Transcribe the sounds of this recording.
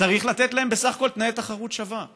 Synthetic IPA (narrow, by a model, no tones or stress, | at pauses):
aʁiχlat̪etlae̞mbesaχako̞lt̪naet̪aχaʁut̪ʃava